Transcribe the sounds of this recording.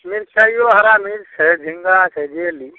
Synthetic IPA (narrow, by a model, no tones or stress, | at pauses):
miɾt͡ʃaijoɦəɾamiɾsɛd͡ʒʱiŋɡasʰɛd͡ʒeli